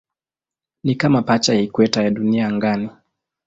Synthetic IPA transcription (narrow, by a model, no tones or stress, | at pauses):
nikamapat͡ʃajikwɛtajaɗuniaŋɡani